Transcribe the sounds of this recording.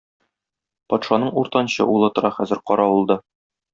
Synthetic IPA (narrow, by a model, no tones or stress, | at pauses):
pɒt̪ʃɑnɤɴuɾt̪ɑnɕɤ̰ʔulˠɤt̪ŏɾɑχæzɘ̆ɾqɒɾɑwulˠd̪ɤ